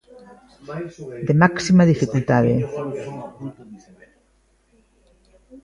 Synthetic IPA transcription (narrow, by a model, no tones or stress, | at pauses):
d̪emaksimaðifikult̪aðe